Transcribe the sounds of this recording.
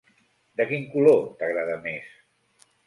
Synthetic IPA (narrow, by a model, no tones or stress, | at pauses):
d̪əkiŋkulot̪aɣɾað̞əmes